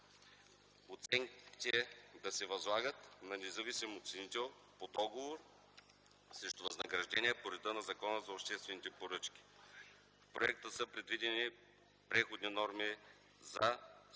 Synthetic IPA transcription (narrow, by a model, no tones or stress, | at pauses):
ot̪sɛŋkk̪ʲit̪ɛd̪ɐsɛvɐzlˠaɡət̪nɐnɛzɐvisimot̪sɛnit̪ɛlˠ | pod̪ɔɡovoɾ | sɾɛʃt̪ʊvɐznɐɡɾɐʒd̪ɛniɛpoɾɛd̪ənɐzɐkɔnəzɐopʃt̪ɛst̪vɛnit̪ɛpoɾɤt͡ʃkʲi̥ | fpɾoɛ̰k̚t̪əsəpɾɛd̪vid̪ɛni | pɾɛxod̪ninɔɾmi | zɐ